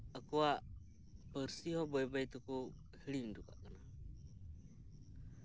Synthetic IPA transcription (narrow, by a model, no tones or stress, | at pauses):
akuaʔ | pəɾsiɦɔbɔɛbajt̪uku | həliŋduka̰ʔkana